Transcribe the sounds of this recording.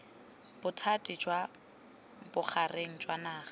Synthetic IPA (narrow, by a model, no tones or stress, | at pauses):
b̥ʊtʰatʼɪd͡ʒwa | bʊk͡xʰarʔeŋ̩d͡ʒwanaːχḁ